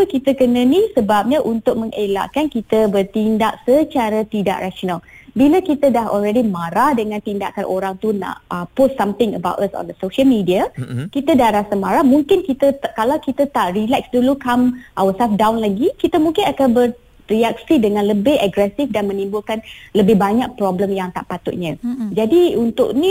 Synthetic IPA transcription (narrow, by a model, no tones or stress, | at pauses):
pəkit̪əkənənisəbap̚ɲaʔunt̪ʊk̚mə̃ŋʔela̰ʔkankit̪əbərt̪indaʔsət͡ʃaɾat̪ida̰ʔraʃonalbiləkit̪ədaɦɔ̰lɾɛdimaɾahdəŋãnt̪inda̰ʔkanʔoɾaŋt̪una̰ʔəpostːamt̪ɪŋəba̰wʔəsɔ̰̃nd̪əsoʃəlmidiakit̪adahɾasamaɾahmũŋkɪnkit̪əkalawkit̪at̪aʔrilɛk̚sdulukamʔawəsafdawnlaɡikit̪əmũŋkɪnakanbər | riak̚sidəŋãnləbɪhəɡɾɛsifdanmə̃nĩmbulkanləbɪhbaɲak̚pɾɔbləmjaŋt̪a̰ʔpat̪ʊ̰ʔ̪̚ɲə̃d͡ʒadiunt̪ʊ̰ʔni